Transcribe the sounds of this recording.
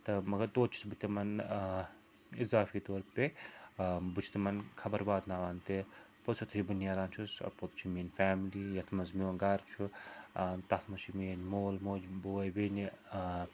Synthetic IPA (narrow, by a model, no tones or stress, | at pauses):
t̪ɐmɐɡɐɾt̪oːt̪t͡ʃʰu̥sbɨt̪ːemɐn | izaːfit̪oːɾpe | but͡ʃʰi̥t̪imɐnkʰɐbɐɾbaːd̪naːʋaːnt̪e | posʰut̪ʰit͡ʃʰbunjaːd̪aːnt͡ʃʰusɐ̰ɾpot̪t͡ʃʰimiːnfaːmlijɐt̪ʰmɐnzmʲoːɡaɾt͡ʃʰu | t̪ɐt̪ʰmɐt͡ʃʰimiːnmoːlmoːd͡ʒboːjbeːni